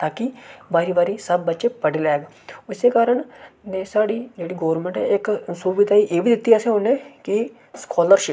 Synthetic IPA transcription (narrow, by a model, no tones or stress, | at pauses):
t̪aːkɪbaːɾiːbaːɾiːsəbːətːʃeːpəɽeːlɛːɡ | ʊseːkaːɾəɳnesaːɽiːd͡ʒeːɽiːɡoːɾmɛ̃ɳʈɛ̰ɪksuːbɪd̪aːiːʔeːʋiːd̪ɪt̪ːiːəsẽɦʊnẽːkɪ | skʰɔːləɾʃɪp